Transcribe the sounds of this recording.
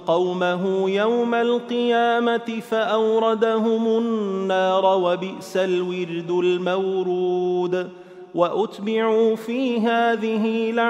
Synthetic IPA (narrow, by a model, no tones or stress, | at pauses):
qɑwmaɦʊjawmalqɨjaːmat̪ɪfaʔawɾˤɑd̪aɦʊmʊnːɑːɾˤɑwabɪʔsalwɪɾd̪ʊlmawɾuuːd̪ | waʔʊt̪bɪʕuːfiːɦaːðɪɦɪla